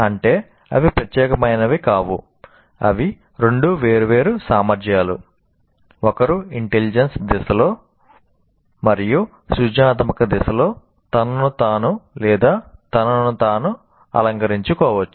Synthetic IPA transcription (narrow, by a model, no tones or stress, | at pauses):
ɐɳʈe̞ː | ɐ̰ʋipɾɐt̪jɛːkɐmɐjnɐʋikaːʋṵ | ɐ̰ʋi | ɾeɳɖuʋeːɾuʋe̞ːɾusaːmɐɾd͡ʒjaːlṵ | ɔkɐɾuiɳʈelid͡ʒɐnsd̪ɛsɐlo̞ː | mɐɾiju | sud͡ʒaːt̪mɐkɐd̪ɛsɐlo̞ː | t̪ɐnɐnut̪aːnulɛːd̪aːt̪ɐnɐnut̪aːnu | ɐ̰lɐŋkɐɾiɲt͡ʃukɔːʋɐt͡ʃːu̥